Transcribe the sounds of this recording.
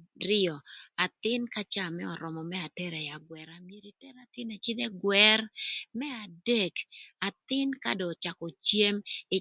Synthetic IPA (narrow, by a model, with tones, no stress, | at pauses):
rɪ˦ɔ˨a˨t̪ɪ˦nka˦t͡ʃa˦˨mɛ˦ɔ˨ɾɔ˨mɔ˨mɛa˨tɛ˦ɾɛ˨ja˨ɡwɛ˨ɾa˨mje˨ɾi˨tɛ˦ɾa˨t̪ɪ˦nɛ˨t͡ʃɪ˦dɛ˦ɡwɛ˦rmɛ˦a˨de˦ka˨t̪ɪ˦nka̰˦dɔ˨t͡ʃa˨kɔ˨t͡ʃje˦mɪ˨